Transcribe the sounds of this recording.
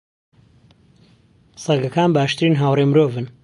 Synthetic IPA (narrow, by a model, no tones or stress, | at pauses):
sɐɡɐkaːnbaːʃt̪ɨɾiːnɦaːwremɾoːvɨn